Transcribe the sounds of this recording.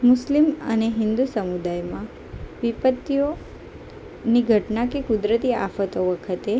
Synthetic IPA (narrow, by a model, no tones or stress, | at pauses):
mʊslimə̰neɦɪnd̪usəmud̪ajmã | ʋipət̪ːijo | niɡʱəʈnakekud̪ɾət̪ia̰fət̪oʋəkʰət̪e